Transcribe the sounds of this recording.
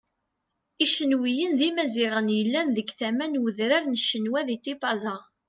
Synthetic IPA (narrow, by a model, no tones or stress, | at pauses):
iʃənwijənðimæzɪʁənjəlːænðəɡθæmænwəðɾaɾnəʃənwæðit̪ːipɑzɑ